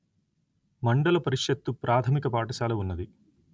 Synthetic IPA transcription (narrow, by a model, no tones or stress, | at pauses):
mɐɳɖɐlɐpɐɾiʂjɐt̪ːupɾʔaːt̪ʰɐmikɐpaːʈɐʃaːlɐunːɐd̪i